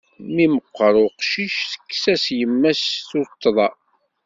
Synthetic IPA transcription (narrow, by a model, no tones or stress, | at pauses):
miməqːəɾˤʊqʃiʃθə̥kːsæsjəmːæsθʊt̪ːðˤɑ